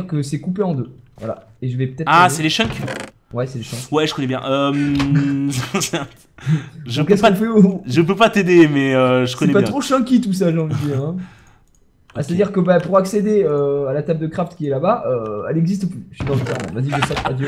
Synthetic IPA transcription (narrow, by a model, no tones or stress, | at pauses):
ʁkəsɛkupeɑ̃d̪øvwa̰la̰eʒəvɛpət̪ɛt̪asɛleʃɛ̃kʲ | wɛsɛleʃɑ̃kwɛʒəkɔnɛbjɛ̰̃ʔøm | sɛʁt̪ | ʒə̃kɛskpɔ̃fɛʒəp̬øpat̪ed̪emɛøʒəkɔnɛpat̪χoʃɑ̃kʲit̪us̬aʒɑ̃ləd̪eɛ̃ | ast̪ad̪iʁkəbapuʁaksed̪eøalat̪ab̚d̪əkχaft̪kʲiɛlabaʔøɛ̰lɛɡzis̬t̪əplyfid̪ɑ̃sit̪ɛʁmɑ̰̃baziʒəsap̪ad̪y